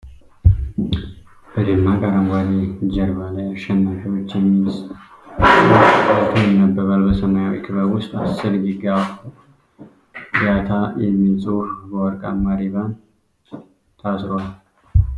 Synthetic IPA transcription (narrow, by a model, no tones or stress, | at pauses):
b̥əd̪ɨnːakʼaɾəmɡʷaled͡ʒɛɾbalajaʃɛnːafiwo̞t͡ʃːjɛmːilsʼ | bət̪ʰənːəbːəβalbəsənajawḭkʰʼβəwʊst̪ʼasːɨɾɡiɡafu | ɡjat̪ʰajɛmːilt͡sʼuhbəwɔɾkʼamaɾiβan | t̪ʰasɾowal